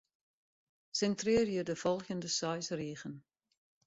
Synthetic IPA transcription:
sɛntrɪːrjədəvɔlˠxəndəsœjsriːɣən

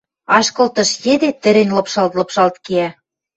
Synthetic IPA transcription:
ɑʃkɤ̆lt̪ɤ̆ʃjed̪et̪ɘ̆ɾɘ̆nʲlɤ̆pʃɑlt̪lɤ̆pʃɑlt̪keæ

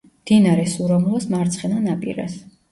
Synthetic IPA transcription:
md̪̥inaɾɛsuɾɔmulasmaɾt̪sʰχɛnanapʼḭɾa̰s

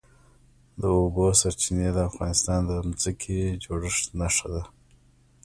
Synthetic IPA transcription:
d̪əobosaɾt͡ʃined̪əafɣɑnɪst̪ɑnd̪əmzəkʰed͡ʒoɽəʂnaʂad̪a

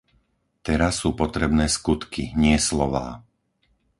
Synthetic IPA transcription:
t̪ɛɾasːuːpɔt̪ɾɛbnɛːskut̪kiɲɪɛslɔʋa̰ː

